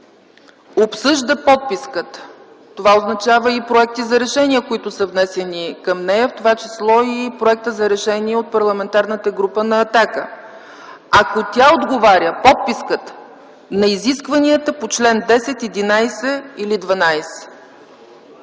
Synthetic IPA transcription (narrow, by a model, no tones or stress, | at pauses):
opsɤʒd̪əpɔt̪̚piskət̪ | t̪ːovaoznɐt͡ʃavəipɾoɛk̚t̪izɐɾɛʃɛniəkoit̪ʊsəvnɛsɛnikəmnɛjəft̪ovat͡ʃislˠɔipɾoɛk̚t̪əzɐɾɛʃɛniɛot̪̚pɐɾlˠɐmɛnt̪aɾnət̪əɡɾupənɐːt̪akə | ɐkot̪ʲaod̪ɡovaɾʲəpɔt̪̚piskət̪ | nɐiziskvɐniət̪əpot͡ʃlɛnd̪ɛsɛt̪ɛd̪inajsɛilid̪vɐnajsɛ̥